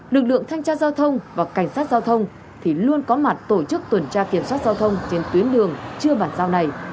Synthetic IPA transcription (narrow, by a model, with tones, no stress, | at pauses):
lɨ˨˩k̚lɨ̰˧˨əŋt̪ʰa˧jŋ̟t͡ɕaː˧zaː˧wt̪ʰə˧wŋ͡mvaː˨˩ka˧˩jŋ̟saː˦˥t̚zaː˧wt̪ʰə˧wŋ͡m | t̪ʰi˨˩lu˧ənkɔ˨˦ma˨˩t̚t̪o˧˩t͡ɕɨ˦˥k̚t̪wə˨˧˩nt͡ɕaː˧ki˧˩əmswaː˦˥t̚zaː˧wt̪ʰə˧wŋ͡mt͡ɕe˧nt̪wi˨˦ənɗɨ˨˩əŋt͡ɕɨ˧əɓaː˧˩nzaː˧wna˨˩j